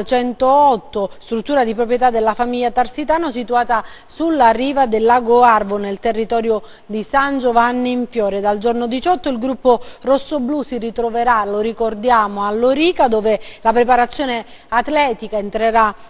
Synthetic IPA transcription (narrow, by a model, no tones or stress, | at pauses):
t͡ʃɛnt̪oɔt̪ːost̪ɾut̪ːuːɾad̪ipɾopɾjet̪ad̪ːelːafamiʎːat̪arsit̪aːnosit̪uaːt̪a | sulːarːiːvad̪elːaɡoarvonelt̪erːit̪ɔːɾjo | d̪isand͡ʒovanːiiɱfjɔːɾed̪ald͡ʒornod̪it͡ʃɔt̪ːoilɡɾupːorosːoblusirit̪ɾoveɾaloɾikord̪jaːmoalːoɾiːkad̪oːvelapɾepaɾat̪sːjoːne | at̪lɛːt̪ikaent̪ɾeɾa